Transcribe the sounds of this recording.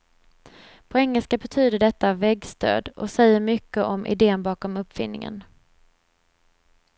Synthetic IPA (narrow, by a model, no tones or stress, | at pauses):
pʰɔɛŋːəlskabɛt̪ʰyːd̪əɖɛt̪ːavɛɡst̪ʰø̰ːd̪ɔ̰sɛjːəɾmʏkːəʔɔmʔɪ̰d̪eːənbɑːkɔmɵpːfɪ̰nːɪ̰ŋə̰n